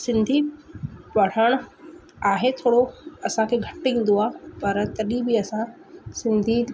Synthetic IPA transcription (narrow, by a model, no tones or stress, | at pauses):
sɪ̃nd̪ʱi | ʋɐɽ̤əɽ̃ʊ | aːɦet̪ʰoːɽoɐsãkʰeːɡʱɐʈĩːn̆d̪oaːpɐɾt̪ɐɗĩbiɐsã | sɪ̃nd̪ʱi